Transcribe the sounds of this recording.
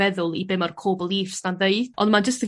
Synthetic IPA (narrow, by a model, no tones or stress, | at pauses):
ɛðʊlˠibɪmɔrkʰoːbəlˠiːfsdanðeɨθɔndmand͡ʒəstə